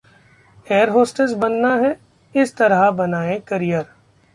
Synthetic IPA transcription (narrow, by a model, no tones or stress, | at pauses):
eːəɾɦoːsʈəs̬bɐnːaɦɛ | ɪst̪ɐɾabɐnaːẽkɐɾijəɾ